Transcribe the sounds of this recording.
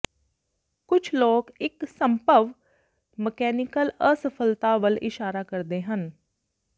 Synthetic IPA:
kʊt͡ʃʰloːkɪksəmpəʋ | məkɛːnɪkələsəpʰəlt̪aːʋəlɪʃaːɾaːkəɾd̪eːɦən

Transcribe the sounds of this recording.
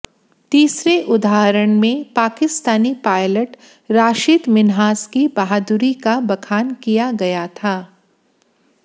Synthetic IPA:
t̪iːsɾeʔʊd̪aːɦɾəɽ̃mẽpaːkɪst̪aːnipaːɪləʈ | ɾaːʃɪt̪mɪnɦaːskibɐɦaːd̪ʊɾikabɐkʰaːnkijaɡɐjat̪ʰaː

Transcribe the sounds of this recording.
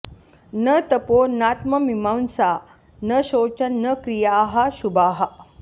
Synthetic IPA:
nət̪əponat̪məmimawnsa | nəɕoːt͡ɕənnːəkɾijaɦaɕubaːɦa

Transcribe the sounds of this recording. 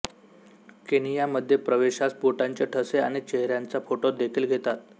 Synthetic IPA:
kenijaməd̪ʱːjepɾəʋeɕaspuʈaɲt͡ɕeʈʰəseaɽ̃it͡ɕeɦɾjant͡safoʈod̪ekʰiːlɡʱet̪at̪̚

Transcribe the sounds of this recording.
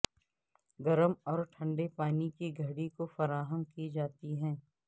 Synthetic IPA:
ɡɐɾəmɔːɾʈʰɐ̃ɳɖepaːnikiɡʱɐɽikofɐɾaːɦəmkid͡ʒaːt̪iɦɛ̃ː

